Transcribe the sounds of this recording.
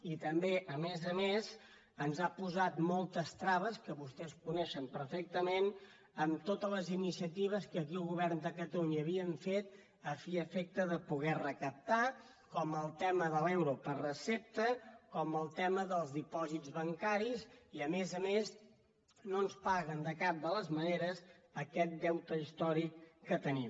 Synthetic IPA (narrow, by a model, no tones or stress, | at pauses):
it̪əmbeʔəmezəmez | ənzapuzat̪mɔlˠt̪əst̪ɾaβəskəβust̪ɛskunɛʃəmpəɾfek̚t̪əmen | əmt̪ot̪ələzinisiət̪̬iβ̞əskək̬iəlˠɣuβ̞ɛrnd̪əkət̪əluɲəːβiəɱfet̪̚ | əfiəfɛk̚t̪əðəpuɣɛrəkəp̚t̪a | kɔməlˠt̪ɛməðəlɛwɾupərəsɛp̚t̪əkɔməlˠt̪ɛməðəlˠzðipɔzidd͡zβəŋkaɾiziəmezəmez | nonspaɣənd̪əkap̚d̪ələzməneɾəzəkɛt̪̚d̪ɛwt̪əist̪ɔɾikːət̪ənim